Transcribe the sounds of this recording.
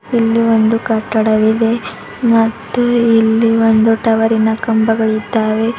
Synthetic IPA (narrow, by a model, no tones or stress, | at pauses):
ilːio̞nd̪ukɐʈːɐɽɐʋid̪e̞ | mɐt̪ːuilːiond̪uʈɐʋɐɾinɐkɐmbɐɡɐɭid̪ːaːʋe̞